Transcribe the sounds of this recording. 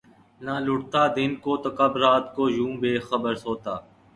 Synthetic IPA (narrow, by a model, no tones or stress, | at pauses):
naːlʊʈt̪aːd̪ɪnkoːt̪okəbɾaːt̪koːjũːbeːxəbəɾsoːt̪aː